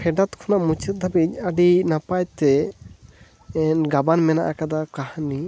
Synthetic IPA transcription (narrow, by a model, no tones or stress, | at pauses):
pʰɛɖat̪kʰɔnaʔmut͡ʃɛt̪̚d̪ʱabit̪̚əɖinapajt̪ɛ | ɛnɡabanmɛnaʔakad̪akahni